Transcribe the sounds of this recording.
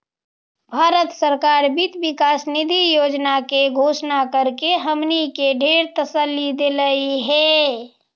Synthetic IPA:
bʱaːɾət̪səɾkaːɾbit̪bɪkaːsnɪd̪ʱijoːd͡ʒnakeɡʱoːʃnakəɾkeɦəmnikeɖʱeːɾt̪əsəlːid̪eləiɦɛː

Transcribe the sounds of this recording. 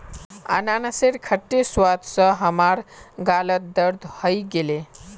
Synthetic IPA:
ə̰nanəseɾkʰəʈːeswad̪sə̃ɦəmaɾɡalət̪̚d̪əɾd̪ʱhəjɡele

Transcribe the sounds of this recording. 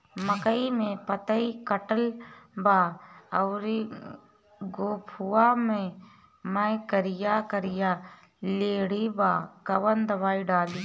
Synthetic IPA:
məkəimẽpət̪əikəʈəlbaːɐwɾi | ɡoːpʰuaːmẽ | məkəɾɪjaːkəɾijaː | leːɽibaːkəwənd̪ɐbaːiɖaːliː

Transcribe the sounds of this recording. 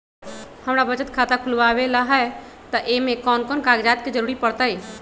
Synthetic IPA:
həmɾabət͡ʃət̪kʰaːt̪akʰʊlʋawelaɦɛ | t̪əʔemẽkɔːnkɔːnkaːɡd͡ʒaːt̪̚ked͡ʒəɾuːɾipəɽt̪əj

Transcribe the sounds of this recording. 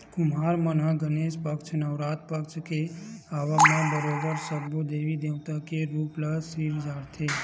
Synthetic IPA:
kʊmɦaːɾmənãɡəneːʃpəkt͡ʃʰnəʋɾaːt̪̚pəkt͡ʃkeaːʋamãbəɾɔːbəɾsəbod̪eːʋid̪eːwt̪akeɾuːplasiːɾd͡ʒaːɽt̪ʰeː

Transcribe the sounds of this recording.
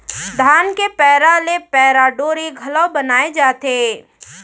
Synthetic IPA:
d̪ʱaːnkepɛːɾalepɛːɾaɖoːɾiɡʱɐlɔwbɐnaːed͡ʒaːt̪eː

